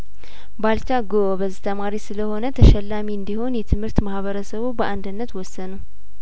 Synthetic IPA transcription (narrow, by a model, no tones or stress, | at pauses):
balt͡ʃaɡoobəzːit̪ʰəmaɾisɨləho̞nət̪ʰəʃɛlːamiɨnd̪iho̞njɛt̪ʰɨmhɨɾt̪mahβəɾəsəβubəʔand̪ɨnːət̪wɔsːənəw